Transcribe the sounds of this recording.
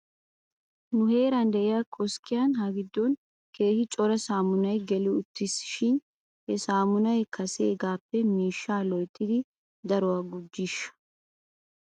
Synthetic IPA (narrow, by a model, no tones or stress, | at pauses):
nʊhe̞ːɾɐnd̪ɛʔɪjaːkʼɔskɪjanhɐɡɪd̪ːɔn | ke̞ːhɪt͡ʃʼɔɾɐsaːmʊnɐjɡɛlɪʊt̪ːɪsʃɪn | hɛsaːmʊnɐjkʰɐsḛːɡaːpːɛmiːʃːaːlɔjt̪ʼːɪd̪ɪ | d̪ɐɾʊwaɡʊd͡ʒːɪʃːɐ̥